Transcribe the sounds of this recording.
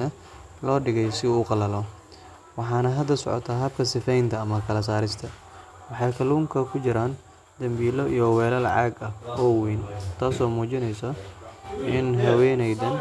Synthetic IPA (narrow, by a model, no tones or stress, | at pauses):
ɐ | lɔːɖɪɣɛjsɪːqɑlɐlɔ | wɑħɑːnɐɦɐd̪ːɐsɔ̰ʕɔ̰t̪ʰɐɦɐb̚kʰɐsɪfɛjnt̪ʰɐːmɐkʰɐlɐs̬aːɾɪst̪ʰɐ | wɑħɑjkʰɐluːŋkʰɐkʰʊt͡ʃɪɾaːn | d̪ɐmbiːlɔijɔwɛːlɐlʕɑ̰ːɡɐɔːwiːnt̪ʰaːsɔːmuːt͡ʃɪnɛjsɔ | ʔɪnɦɐwɛːnɛjd̪ɐn